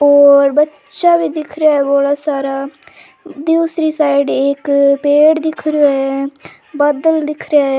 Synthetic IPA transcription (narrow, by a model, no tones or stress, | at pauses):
oːɾbətː | ʃaːbiːd̪ɪkʰɾejaːɛːboːlaːsaːɾaː | d̪iːsɾiːsaːɪɖeːekpeːɽd̪ɪkʰɾaɛ | bəd̪əld̪ɪkʰɾejaɛ